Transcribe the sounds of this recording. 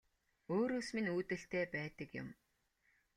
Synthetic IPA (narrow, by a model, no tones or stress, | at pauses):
oːɾoːsminuːt̪ɘ̆ɬt̪eːpæːt̪ə̆kjʊ̰m